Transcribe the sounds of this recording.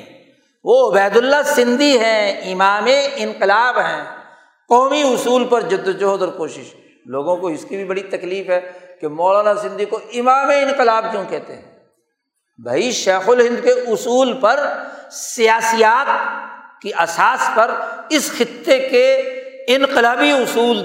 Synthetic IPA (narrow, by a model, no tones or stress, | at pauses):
ʋoɐbɛːd̪ʊlːasɪ̃nd̪iɦɛ̃ɪmaːmeɪ̃nqɪlaːbɦɛ̃ː | qɔːmiʊsuːlpɐɾd͡ʒɐd̪d͡ʒoɦod̪ɐɾkoːʃɪʃ | loːɡõkoɪskibʱibɐɽit̪ɐkliːfɦɛːkemɔːlaːnasɪ̃nd̪ʱikoʔɪmaːmeɪ̃nqɪlaːb̚kjõːkɛɦt̪ḛɦɛ̰̃ː | bʱa̰ːiʃeːxʊlɦɪ̃nd̪keʊsuːlpɐɾsijaːsijaːt̪̚kiɐsaːspɐɾɪsxɪt̪ːekeɪ̃nqɪlaːbiʊsuːl